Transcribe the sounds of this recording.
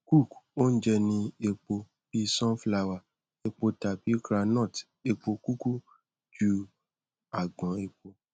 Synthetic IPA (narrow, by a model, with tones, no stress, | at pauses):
ku˦˨ko˦n̩˦d͡ʒɛ˦nĩ˧e˧k͡po˧ | b̥i˦sɔ̃˦fla˧wa˨ | e˧k͡po˧ta˨bi˨˦kɾa˧nɔ̃˦˨t | e˧k͡po˧ku˦ku˦ | d͡ʒu˦ | a˦˨ɡ͡bɔ̃˨˦e˧k͡po˧